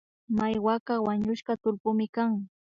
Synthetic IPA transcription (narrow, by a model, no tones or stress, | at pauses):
majwakawaɲʊʃkat̪ʊlpʊmɪkaŋ